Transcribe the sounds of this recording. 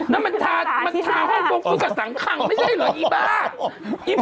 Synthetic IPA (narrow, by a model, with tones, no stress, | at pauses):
nɛ˦˥ma˧nt̪ʰaː˧ma˧nt̪ʰaː˧hɔ˥˩ŋbo˧ŋ̚ʰuː˧˥˩ka˨˩sa˨˦ŋkʰa˧ŋma˥˩jt͡ɕʰa˥˩jlɔː˨˦ʔiː˧˩baː˧˥˩ʔi˧˩